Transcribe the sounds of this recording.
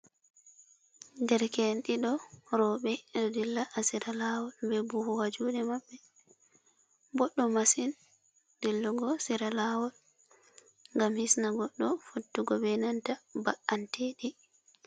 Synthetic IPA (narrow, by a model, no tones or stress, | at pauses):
dɛɾkenɗiɗɔɾɔɓɛdɔdilːaʔːsiɾalawɔlbɛbuhuwad͡ʒuːɗɛmaɓːɛ | bɔɗːɔmasin | d̥ilːuɡɔsiɾalawɔl | ŋɡamhisnaɡɔɗːɔfotːuɡɔbɛnantabaʔanteɗi